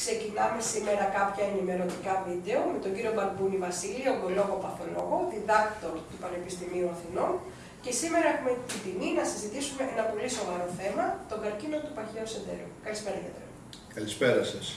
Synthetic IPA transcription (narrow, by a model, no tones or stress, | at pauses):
kse̞cinɐme̞sime̞ɾɐkɐpçɐenime̞lo̞td̪ikɐvid̪e̞o̞met̪o̞ɲɟiɾio̞bɐɾbunivɐsilioɡolo̞ɣo̞pɐθolo̞̰ɣo̞ðiðɐkt̪o̞ɾt̪upɐne̞pist̪imiuɐθino̞n | ce̞simeɾɐexumet̪id̪iminɐsizit̪isume̞ʔenɐpo̞liso̞vɐɾo̞θe̞mɐt̪o̞ɡɐɾcino̞t̪upɐçeoseðḛɾṵkɐlispe̞ɾɐɣɐ̰t̪o̰ɾo | kɐlispeɾɐsɐs